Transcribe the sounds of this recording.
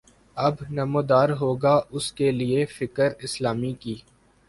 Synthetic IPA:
ɐbnɐmoːd̪aːɾɦoːɡaʊskeliefɪkəɾɪslaːmikiː

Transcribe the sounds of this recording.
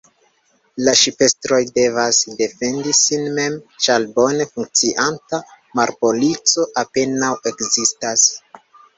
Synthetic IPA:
laʃipe̞stɾo̞jde̞vasde̞fe̞ndisinme̞mt͡ʃalbo̞ne̞fuŋk̚t͡siʔanta | maɾpo̞lit͡so̞ʔape̞nawe̞kzistas

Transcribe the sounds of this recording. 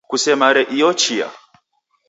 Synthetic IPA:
kusɛmaɾɛʔiɔt͡ʃia̰

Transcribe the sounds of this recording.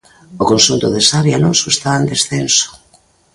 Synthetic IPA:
okonsunt̪ʊðesaβjalosoest̪aend̪esθenso̥

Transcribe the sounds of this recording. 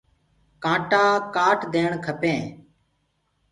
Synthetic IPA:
kãːʈãːkaːʈd̪eːɳkʰəpẽː

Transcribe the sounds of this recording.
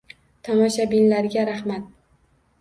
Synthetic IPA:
t̪ʰɒmɒʃabinlaɾɡʲaɾahmat̪̚

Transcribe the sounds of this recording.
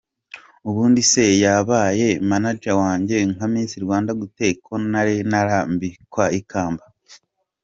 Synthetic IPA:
uβuːndise̞jaβaːje̞manad͡ʒawaːɲɟe̞ŋhamiːnsiɾwaːndaɡute̞kʰo̞naɾenaɾambikwaikʰaːmba

